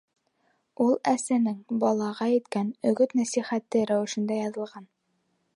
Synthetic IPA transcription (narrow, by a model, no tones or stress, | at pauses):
ulˠæsænɘŋbɒlˠɑʁɑjɘ̆t̪kænɵ̆ɡɵt̪næsiχæt̪ːɘɾæwɘ̆ʃɘ̆nd̪æjɑðɤ̆lˠʁɑn